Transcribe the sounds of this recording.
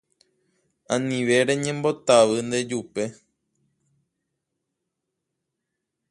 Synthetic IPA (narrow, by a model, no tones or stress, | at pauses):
ãnĩʋe̞ɾe̞ɲẽ̞mbo̞t̪aʋɨnd̪e̞d͡ʒupe̞